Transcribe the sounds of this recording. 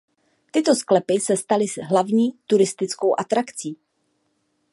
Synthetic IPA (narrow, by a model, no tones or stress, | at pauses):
t̪ɪt̪o̞sklɛpɪsɛst̪alɪzɦlavɲiːt̪uɾɪst̪ɪt͡sko̞wʔat̪ɾakt͡siː